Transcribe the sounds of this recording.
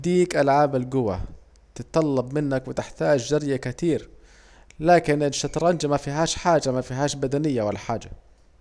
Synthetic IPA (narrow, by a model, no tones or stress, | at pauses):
d̪iːkʔalʕaːbalɡʊwa̰ | t̪ɪt̪t̪ːˤɑlːɑbmɪnːakwɪt̪ɪħt̪aːd͡ʒd͡ʒɑɾjakɪt̪iːɾ | laːkɪnɪlʃːɑt̪ɾˤɑːnd͡ʒamafiɦaːʃħaːd͡ʒamafiɦaːʃbad̪anɪjːawalːaħaːd͡ʒa